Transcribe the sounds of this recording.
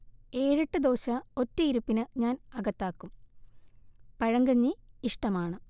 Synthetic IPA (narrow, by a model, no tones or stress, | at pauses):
e̞ːɻiʈːɨd̪o̞ːɕɐo̞tːɨiɾupːinɨɲaːnɐɣɐt̪ːaːkːum | pɐɻɐŋɡɐɲːiiʂʈɐmaːɳɨ